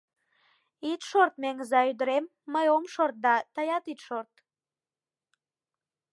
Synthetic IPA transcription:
it̪ʃort̪̚meŋəzɑyd̪əɾemːəjomʃort̪̚d̪ɑt̪əjɑt̪it̪ʃort̪̚

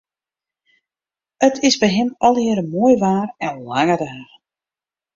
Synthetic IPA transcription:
ətʰɪsbɛjɦɪmɔlˠɪəɾəmoːjʋaːrɛnlaŋədəaχ

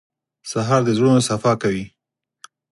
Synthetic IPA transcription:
saɦɑɾd̪əzɽonosafɑkawi

